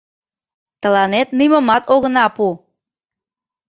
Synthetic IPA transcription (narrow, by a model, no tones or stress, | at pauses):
t̪əlɑnet̪̚niməmɑt̪oɣənɑpu